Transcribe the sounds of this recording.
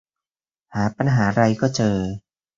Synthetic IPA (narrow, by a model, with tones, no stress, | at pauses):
haː˩˦pa˧nɦaː˩˦ɾa˧jkɔː˥˩t͡ɕɤː˧